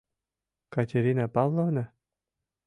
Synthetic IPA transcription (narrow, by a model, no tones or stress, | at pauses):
katʲeɾʲinapɑvlˠovna